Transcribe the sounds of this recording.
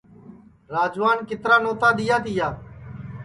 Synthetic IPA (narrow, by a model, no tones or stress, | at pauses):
ɾaːd͡ʒʋaːnkɪt̪ɾaːnoːt̪aːɗ̪ɪjaːt̪ɪjaː